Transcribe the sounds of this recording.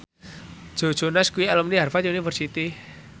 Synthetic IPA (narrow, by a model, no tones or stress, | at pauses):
ʒ̥o̤d̥ʒ̥o̤nɛskuiɛlɔmniɦarfajonifərsit̪i